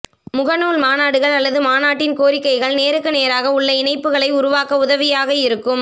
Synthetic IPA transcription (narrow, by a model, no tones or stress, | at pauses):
mʊɣɐnuːɭmaːnaːɽɯɣɐɭɐlːɐðɯmaːnaːʈːɪnkoːɾɪkːɐɪɣɐɭneːɾɯkːɯneːɾaːɣɐʊɭːɐɪnɐɪpːɯɣɐɭɐɪʊɾʊʋaːkɐʊðɐʋɪjaːɣɐɪɾɯkːɯm